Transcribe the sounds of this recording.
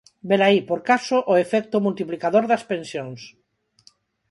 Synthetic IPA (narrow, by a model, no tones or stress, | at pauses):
belaipoɾkasoʔoefɛk̚t̪omult̪iplikaðoɾðɐspensjoŋs